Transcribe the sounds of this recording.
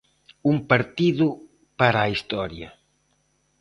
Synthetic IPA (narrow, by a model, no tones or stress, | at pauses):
umpaɾt̪iðʊ | paɾaist̪ɔɾjɐ